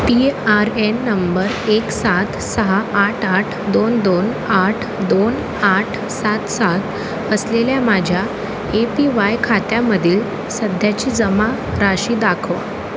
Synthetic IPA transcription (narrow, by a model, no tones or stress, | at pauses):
piaɾenːəmbəɾeksat̪səɦaʔaʈʰaʈʰd̪ond̪on | aʈʰd̪on | aʈʰ | sat̪sat̪ | əsleljamad͡ʑʱja | epiʋajkʰat̪jaməd̪ʱiːl | səd̪ʱjat͡ɕiːd͡zəma | ɾaɕiːd̪akʰəʋ